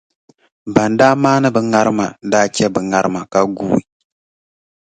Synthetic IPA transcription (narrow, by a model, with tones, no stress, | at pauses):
ba˨ndaː˦maː˦nɨ˦bɨ˨ŋa˦ɾɨ˦ma˨daː˦t͡ʃɛ˦bɨ˨ŋa˦ɾɨ˦ma˨ka˦ɡuː˦˨i˨